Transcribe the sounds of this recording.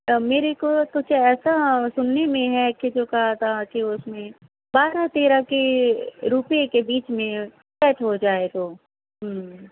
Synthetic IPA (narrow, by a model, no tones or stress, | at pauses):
meːɾekot̪ʊd͡ʒʱeɛːsasʊnːemẽɦɛkid͡ʒoːkɐɦat̪ʰaakiʊsmẽ | baːɾat̪eːɾakeɾupjekebiːt͡ʃmẽ | kɛːʈɦod͡ʒaːet̪oː | ɦm